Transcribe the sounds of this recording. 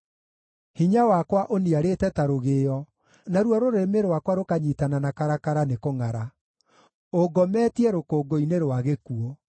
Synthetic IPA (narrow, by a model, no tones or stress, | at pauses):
hiɲawakwaʔoniaɾetɛtaɾoɣejɔ | naɾwɔɾoɾemeɾwakwaɾokaɲitananakaɾakaɾanekoŋaɾa | oɡɔmɛːtiɛɾokoːɡoineɾwaɣekuɔ